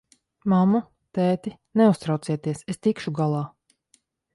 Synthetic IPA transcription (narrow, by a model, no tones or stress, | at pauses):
mamu | t̪ɛːt̪i | neust̪ɾawt̪siɛt̪iɛsest̪ikʃuɡalˠaː